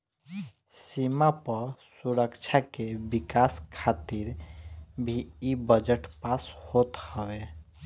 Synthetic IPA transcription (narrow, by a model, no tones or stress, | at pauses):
simapəɾsuɾəkt͡ʃʰakebikaskʰat̪iɾ | bʱiːbəd͡ʒəʈpashot̪həbe